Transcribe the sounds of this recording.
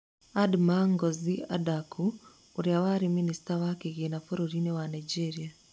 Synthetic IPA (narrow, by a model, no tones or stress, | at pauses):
admaŋɡozia̰dakʰu | uɾjawaɾiminisi̥tawakeɣinafoɾoɾinewanaid͡ʒeɾia